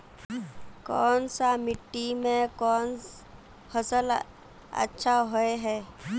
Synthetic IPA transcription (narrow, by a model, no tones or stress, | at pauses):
kɔːnsamɪʈːimẽkɔːn | fʰəsəl | ə̰tːʃʰaɦoeɦɛː